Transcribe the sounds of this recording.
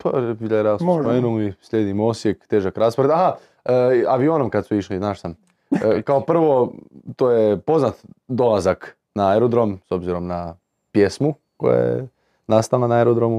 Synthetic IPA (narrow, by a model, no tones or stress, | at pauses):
pʰobiʎʲeɾasooenoisʎʲeːd̪imosjekt̪eːʒakɾaːspɾd̪aɦa | əaʋionomkad̪suiʃliznaːʃsam | kaopr̩ʋo̞t̪oːjepo̞znat̪d̪o̞lazak | naeɾod̪ɾo̞mso̞bziɾo̞mna | pje̞smu | ko̰ja̰jḛ | nast̪alanaeɾod̪ɾomu